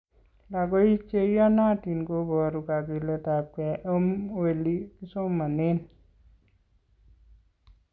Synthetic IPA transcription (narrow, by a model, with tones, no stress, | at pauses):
la˨ɡo˦i˦t͡ʃe˦ja˦na˦ti˨nko˦bɔ˨ɾu˨ɡa˨ɡi˨le˦ta˨kɛ˨ʔə˦moli˦ki˦so˦mːa˨ne˦n